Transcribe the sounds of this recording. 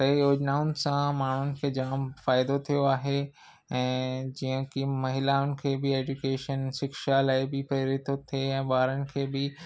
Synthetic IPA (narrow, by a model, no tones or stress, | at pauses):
sɐijoːd͡ʑnaːʊnɪ̆sãmaːɳ̤ʊnɪ̆kʰeːd͡ʑaːmfaːɪd̪ot̪ʰijoaːɦe | ɛ̃ːd͡ʑiːə̃kimɐɦɪlaʊnɪ̆kʰeːbɪeːd͡ʒʊkeːʃənʃɪkʃalaːɪbɪpɾeːɾɪt̪ot̪ʰieɛ̃ːɓaːɾənɪ̆kʰeːbɪ